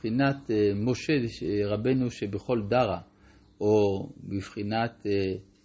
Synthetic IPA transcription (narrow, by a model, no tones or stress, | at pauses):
χinat̪mo̞ʃeʁabe̞nuʃebeχo̞ld̪aʁa | obiv̥χinat̪e